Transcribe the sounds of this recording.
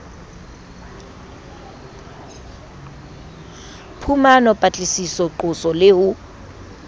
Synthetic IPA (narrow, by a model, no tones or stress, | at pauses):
pʰumanɔpʼat͡ɬʼisisɔǃʊsɔlɪhʊ